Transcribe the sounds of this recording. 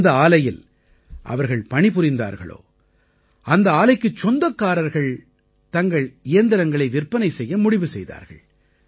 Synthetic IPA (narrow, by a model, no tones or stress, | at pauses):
d̪ɐaːlɐjɪl | ʔɐ̰ʋɐɾɣɐɭpɐɳɪpʊɾɪnd̪a̰ːɾɣɐ̰ɭo̰ː | ʔɐnd̪ɐaːlɐɪkːɯt͡ʃːɔnd̪ɐkːaːɾɐɾɣɐɭ | t̪ɐŋɡɐɭɪjɐnd̪ɪɾɐŋɡɐɭɐɪʋɪrpːɐnɐɪsɛjːɐmʊɽɪʋɯsɛjða̰ːɾɣɐ̰ɭ